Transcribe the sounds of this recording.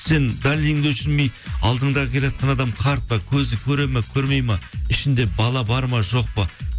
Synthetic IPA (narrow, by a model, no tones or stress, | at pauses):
se̞nd̪alijɪŋd̪eʃɪnmejɑlˠd̪əɴd̪ɑʁəkʲʰe̞lejɑt̪̚qɑnɑd̪ɑmqʰɑɾt̪̚pɑkʲʰɵzɪkʲʰɵɾe̞makʲʰɵɾme̞jmɑɪʃɪnd̪e̞bɑlˠɑbɑɾmɑʒo̞q̚pə